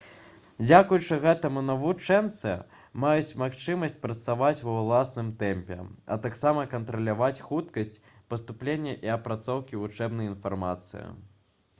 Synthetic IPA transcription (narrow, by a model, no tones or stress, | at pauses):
d͡zʲakujut͡ʂɨɣɛt̪ɐmunɐvut͡ʂɛnt̪sɨ | majut͡sʲmaxt͡ʂɨmɐsʲt͡sʲpɾɐt̪savat͡sʲwɐlˠasnɨmt̪ɛmʲpʲɛ̰ɐ̰t̪aksamɐkɐnt̪ɾɐlʲavat͡sʲxut̪kɐsʲt͡sʲpɐst̪uplʲenʲːɐʔiɐpɾat̪sɔwkʲivut͡ʂɛbnɐjinfarmat̪sɨ̰jḭ